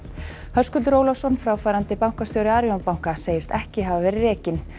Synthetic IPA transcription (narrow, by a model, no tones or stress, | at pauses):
hœskʏlt̪ɾoːwlawsɔnfɾaːwfaːɾant̪ɪpawŋ̥kast̪jowɾɪaːɾjɔnpawŋ̥kaseːjɪst̪ɛhcɪɦavavɛːɾɪrɛːcɪn